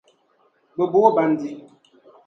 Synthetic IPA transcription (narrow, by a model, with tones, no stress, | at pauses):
bə˨bo˦ba˨n˨di˨